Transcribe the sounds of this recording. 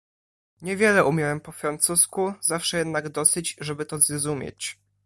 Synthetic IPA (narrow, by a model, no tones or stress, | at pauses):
ɲɛvʲjɛlɛʔumʲjɛwɛmpɔfɾant̪suskuzafʂɛjɛd̪naɡd̪ɔsɘd͡ʑʐɛbɘt̪ɔzɾɔzumʲjḛt͡ɕ